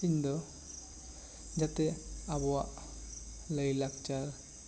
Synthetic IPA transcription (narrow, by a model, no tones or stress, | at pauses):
iɲd̪ɔ | d͡ʒat̪ɛabɔwaʔ | ləjlakt͡ʃaɾ